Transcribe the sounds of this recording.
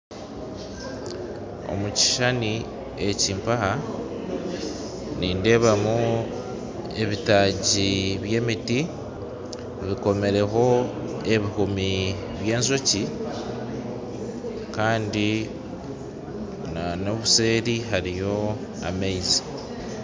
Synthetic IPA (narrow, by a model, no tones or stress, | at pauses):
o̞̰muci̥ʃani | eciːmpaha | niːnde̞βamu | e̞βitaːɟiβje̞ːmiti | βiko̞me̞ɾe̞ɦo̞ | e̞βihumi | βje̞ːnzo̞ci | kaːndi | nanoβuse̞ːɾiɦaɾijo̞ | a̰meizi